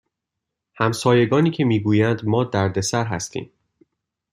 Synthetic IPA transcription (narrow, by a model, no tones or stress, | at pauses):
hæmsɒːje̞ɡɒːniːcʰe̞miːɡuːjænd̪mɒːd̪æɾd̪e̞sæɾɦæ̰st̪ʰḭːm